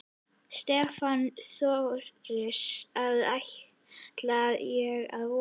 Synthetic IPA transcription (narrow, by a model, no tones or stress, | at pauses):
st̪ɛːfanθɔɾɾɪsaðah | t̪laðjɛɣa̰ðvɔ